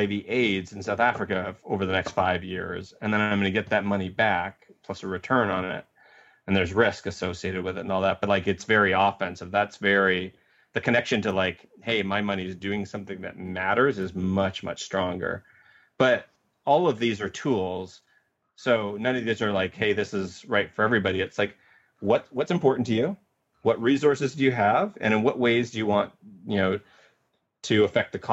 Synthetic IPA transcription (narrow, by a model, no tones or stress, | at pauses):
eɪviʔeɪdz̃n̩saʊθæfɹɨkɨoʊvə˞ðɨnɛkstfaɪvjɪ̰ɹzɨ̃nðɨ̃nããɪ̃mɡõnɨɡɛt̪̚ðɨt̚mʌñibæk̚pʰl̥ʌsɨɹɨtʰɜ̃˞nə̃nɪ̰t̚ | ɨ̃n̩ðə˞zɹɪskɨsoʊsieɪɾɨd̚wɨðɨɾn̩ɔlˠðæt̚b̥ʌt̚ˡlaɪkɨtsvɛɹiɔfɛ̃nsɨvðætsvɛɹi | ðɨkʰɨnɛkʃɨ̃ntʰəlaɪk | heɪmaɪmʌñiɨzdʉɪ̃ŋsʌ̃mθɪ̃ŋðɨ̰t̚mæɾə˞zɨzmʌt͡ʃmʌ̰t͡ʃstɹ̥ɔ̃ŋɡə̰˞ | b̥ʌɾ | ɔlˠʌvðizə˞tʰulˠz̥ | soʊnʌ̃nʌvðizə˞laɪkheɪðɪsɨzɹaɪtfə˞ɛvɹibɑɾiɨtslaɪk | wʌtwʌtsɨ̃mpʰɔɹʔn̩tʰɨjʉ | wʌt̚ɹisɔɹsɨzdɨjɨəvɨ̰̃ñɨ̃nwʌʔ̚weɪzdɨjɨwɑ̃njɨnoʊ | ɾʰɨəfɛk̚t̪̚ðɨkʰ